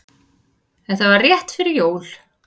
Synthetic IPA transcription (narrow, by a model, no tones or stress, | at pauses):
ɛnθavaɾrjɛht̪fɪɾɪɾjoːwl̥